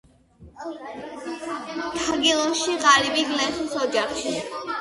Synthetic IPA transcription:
t̪ʰaɡilˠɔʃiqaɾibiɡlɛsusɔd͡ʒaχʃi

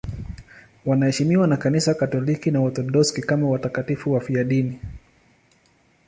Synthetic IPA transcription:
wanahɛʃimiwanakanisakatɔlikinaɔt̪ɔɗɔskikamawatakatifuwafiaɗini

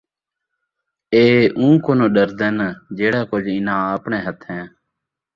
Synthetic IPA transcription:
eːʔũːkoːnõːɗəɾd̪ɛnd͡ʒeːɽaːkʊd͡ʒɪnãːaːpɳeːɦət̪ʰɦɛ̃ː

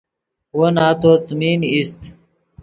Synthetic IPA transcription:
wonaːt̪ot͡sminist̪

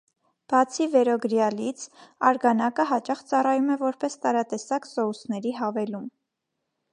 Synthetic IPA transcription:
b̥ɑt͡sʰivɛɾɔɡəɾjɑlit͡sʰɑɾɡɑnɑkəɦɑt͡ʃɑχt͡sɑrɑjumɛvɔɾpɛst̪ɑɾɑt̪ɛsɑksɔhusnɛɾiɦɑvɛlum

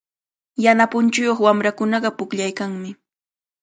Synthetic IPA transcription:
janapʊnt͡ʃʊjoχwamɾakʊnɑɢɑpʊkʎajkaŋmɪ

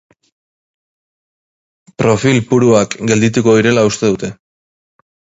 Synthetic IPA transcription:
pɾo̞filpuɾuakɡe̞ld̪it̪uko̞ðiɾe̞laust̪e̞ðut̪e̞

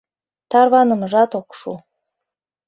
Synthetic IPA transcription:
t̪ɑrβɑnə̆məʒɑt̪okʃṵ

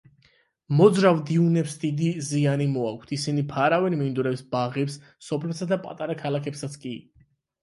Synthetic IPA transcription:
mɔd̪zɾavd̪iunɛpsd̪id̪izianimɔak̚ʷʰt̪ʰisinipʰaɾavɛɾmind̪uɾɛpsbaʁɛps | sɔpʰlɛsad̪apʼa̰t̪ʼaɾakʰalˠakʰɛpsat̪sʰkʼi

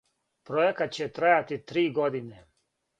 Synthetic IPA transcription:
pɾojekat̪̚t͡ɕet̪ɾajat̪it̪ɾiːɡod̪ine

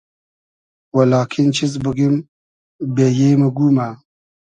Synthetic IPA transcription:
wɐlɑːkʰint͡ʃʰizbəɡim | beːjeːməɡuːma

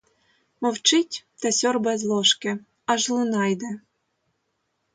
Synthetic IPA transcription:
mɔwt͡ʃɪtʲt̪ɛsʲɔrbɛzlˠɔʃke | ɑʒlˠɨnɑjd̪ɛ

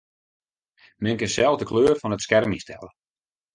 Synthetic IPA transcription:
mɛŋkɪsɛlˠvdəkʰløːrfɔnətskɛrmistʰɛ̰lə

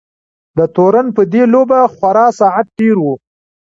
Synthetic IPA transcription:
d̪ət̪oɾanpəd̪elobaxwaɾɑsɑʕat̪̚ʈeɾwu

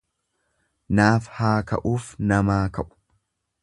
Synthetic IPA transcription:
naːfhaːkɐ̰ʔuːfnɐmaːkɐʔʊ̥

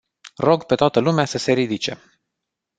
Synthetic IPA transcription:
ro̞ɡpet̪oat̪əlumeasəse̞ɾid̪it͡ʃe̞̰

